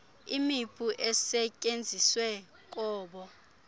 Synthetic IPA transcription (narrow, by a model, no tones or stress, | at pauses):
imipʼuʔɛsɛcʼend͡zʱiswɛ | k̬ʼɔːɓɔ